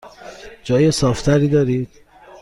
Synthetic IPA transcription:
d͡ʒɒːjesɒːft̪ʰæɾiːd̪ɒːɾid̪̥

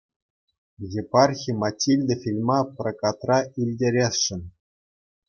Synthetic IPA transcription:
jepɑrxʲimɑtʲːilʲd̪ʲɘ̆fʲilʲmɑprokɑt̪rɑilʲdʲeɾʲesʂɘ̆n

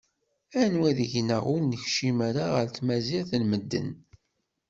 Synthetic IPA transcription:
ænwæðəʝnəʁʊlnəçʃimæɾaʁə̰ɾt̪mæziʁθlməd̪ːə̰n

